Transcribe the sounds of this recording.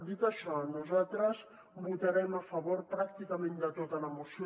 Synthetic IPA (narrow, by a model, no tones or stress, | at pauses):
d̪it̪əʃɔnuzat̪ɾəz | but̪əɾɛməfəβoɾpɾakt̪ikəmẽnd̪ət̪ot̪ələmusi